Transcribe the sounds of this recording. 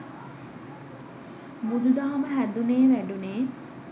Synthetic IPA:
mud̪ud̪aːməɦæd̪uneːʋæɖuneː

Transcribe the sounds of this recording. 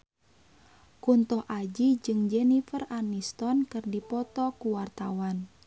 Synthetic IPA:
kunt̪ɔhʔad͡ʒid͡ʒɨŋd͡ʒɛnifəranist̪ɔnkɨrdipɔt̪ɔkuwart̪awan

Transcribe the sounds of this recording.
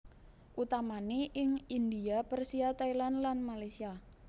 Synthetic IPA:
ʔut̪amaneʔɪŋind̪iapərsiat̪ailanlanmalasia

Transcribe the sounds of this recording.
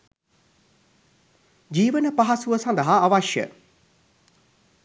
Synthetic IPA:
d͡ʒiːʋənəpaɦasuʋəsɐnd̪əɦaːʋaʃjə̰

